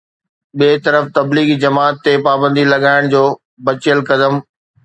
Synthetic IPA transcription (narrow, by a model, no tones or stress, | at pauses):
ɓeːt̪ɐɾəft̪ɐbliːɡd͡ʑɐmaːt̪ːepaːbə̃nd̪ilɐɠaːɪɽ̃d͡ʑoː | bɐt͡ɕɪəlkɐd̪əm